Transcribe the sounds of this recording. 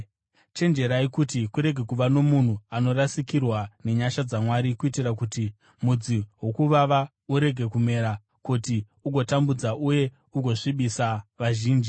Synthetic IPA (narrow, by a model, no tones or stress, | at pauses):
t͡ʃe̞nd͡ʒe̞ɾaikutikuɾe̞ɡʱe̞kuʋano̞mun̤uano̞ɾasikirwane̞ɲaʃad͡zamwaɾikuitirak̬uti | mud͡ziɦo̞kuʋaʋa | uɾe̞ɡʱe̞kume̞ɾa | kuti | uɡʱo̞tambud͡zaʔuje̞ | uɡʱo̞ʂiɓisaʋaʒiːnd͡ʒi